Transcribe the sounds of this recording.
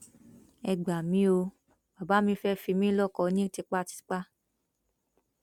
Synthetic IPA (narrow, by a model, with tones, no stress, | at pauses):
ɛ˧ɡ͡ba˨mĩ˨˦o˧ | ba˨ba˨˦mĩ˧fɛ˦fi˧mĩ˦lɔ˦˨kɔ˧˦nĩ˦te˧k͡pa˦˨ti̥˨˦k͡pa˦